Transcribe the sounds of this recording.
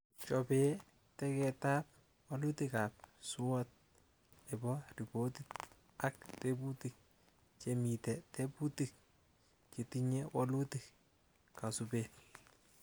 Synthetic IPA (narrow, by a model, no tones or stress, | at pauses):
t͡ʃɔpe | tɛkɛtap̚ | walutikap̚sʊɔt̚ | ɛbɔripotit | ak̚tebutik̚ | t͡ʃemitɛteputik̚ | t͡ʃitiɲɛwalutik | kasupe